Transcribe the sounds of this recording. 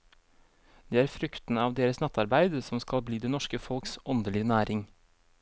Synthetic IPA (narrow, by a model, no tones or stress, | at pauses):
d̪̥eːæːɾfɾʉkt̪n̩ɑːʋd̪eːɾəsnɛt̪ɑɾbæɪd̪sɔmskɑlbliːd̪eːnɔʃkəfɔlksʔɔnd̪əlɪnæːɾʔɪŋ